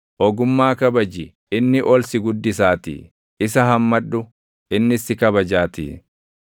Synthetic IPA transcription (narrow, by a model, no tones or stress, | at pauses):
ʔɔɡʊmːaːkɐbɐd͡ʒɪ | ɪnːɪʔɔlsɪɡʊd̪ːɪsaːt̪ɪ̰ | ɪs̬ɐɦɐmːɐᶑːʊ | ɪnːɪsːɪkɐbɐd͡ʒaːt̪ɪ̰ː